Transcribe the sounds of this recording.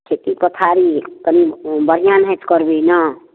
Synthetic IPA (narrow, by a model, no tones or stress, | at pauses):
kʰet̪ipət̪ʰaɾikənibəɾ̤ijanɦet̪kəɾbinʌ